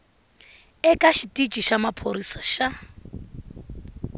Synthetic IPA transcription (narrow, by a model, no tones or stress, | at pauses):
ɛkʼaʃitit͡ʃʼiʃamapʰoɾisaʃa